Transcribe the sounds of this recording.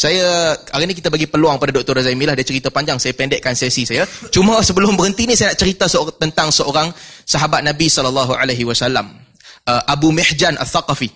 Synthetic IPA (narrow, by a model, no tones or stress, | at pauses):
sajaaɾinik̬it̪abaɡipəluaŋpadadɔk̚t̪ɔɾazaimilahdaat͡ʃəɾit̪apaɲd͡ʒaŋsajapɛndɛʔkansɛsisajat͡ʃuməsəbəlʊmbəɾənt̪inĩsajanaʔt͡ʃəɾit̪asət̪ənt̪aŋsəoɾaŋsaɦabat̪̚nabisɔlalːaɦuʔaleɦiwasalam | əʔabumiħd͡ʒanʔa̰θaqafi